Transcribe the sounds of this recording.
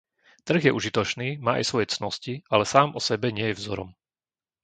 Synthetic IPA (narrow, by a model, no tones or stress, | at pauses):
t̪r̩ɣjɛʔuʒit̪ɔt͡ʃniːmaːʔa̰jsʋɔjɛt͡snɔscialɛsaːmʔɔsɛbɛɲɪɛjɛvzɔɾɔ̰m